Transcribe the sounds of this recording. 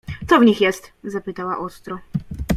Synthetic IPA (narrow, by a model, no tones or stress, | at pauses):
t̪sɔvɲixjɛst̪zapɘt̪awa̰ʔɔst̪ɾɔ